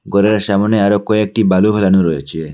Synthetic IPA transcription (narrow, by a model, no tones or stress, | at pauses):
ɡɔɾeɾʃamɔneaɾokɔek̚ʈibalubʱelanuɾɔjet͡ʃʰie